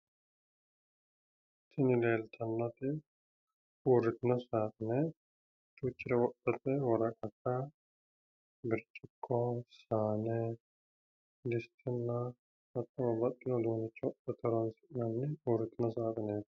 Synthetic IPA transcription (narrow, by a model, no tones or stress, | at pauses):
t̪ːɪnɪleːlt̪ʰɐnːɐt̪ɪ | uːɾɪt̪ɪnɐsaːt̪ɪnɛ | t͡ʃʼuːt͡ʃːɪɾɛwɔʔɐt̪ɛwɔɾɐkʼɐkːɐ | bɪɾt͡ʃʼːɪkʰːɔsaːnɛ | lɪst̪ʰɪnːɐ | ɐt̪ʼːɐwɐbɐt̪ːɪlɔloːnɪt͡ʃʼːɔɔʔɐt̪ʰɔɾɔnsɪʔnɐnːɪuːɾɪt̪ɪnɐs̬aːt̪ʼneːt̪